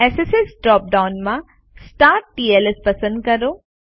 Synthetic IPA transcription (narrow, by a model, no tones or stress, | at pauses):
esesesɖɾɔːp̚ɖaʊnmã | sʈaːɾʈ̚ːiːelespɐsə̃nd̪̚kɐɾoː